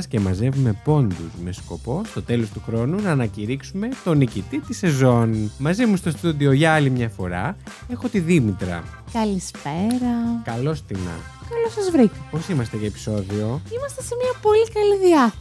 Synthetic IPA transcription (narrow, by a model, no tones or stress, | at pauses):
scemɐze̞vume̞po̞nd̪uzme̞sko̞po̞st̪o̞t̪e̞lo̞st̪uxɾo̞nunɐːnɐciɾiksume̞t̪o̞nicit̪it̪ise̞zo̞nmɐzimust̪ost̪ud̪ioʝɐɐlimɲɐfo̞ɾɐ̰ | e̞xo̞t̪iðimit̪ɾɐ̰ | kɐlispeɾɐkɐlo̞st̪inɐ̰ | kɐlosɐzvɾikɐpo̞simɐst̪e̞ʝɐepi̥so̞ðio̞imɐst̪esemiɐpo̞likɐliðiɐ